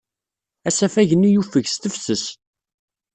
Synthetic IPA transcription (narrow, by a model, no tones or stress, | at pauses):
æsæfæʝənːijufəʝst̪əfsəs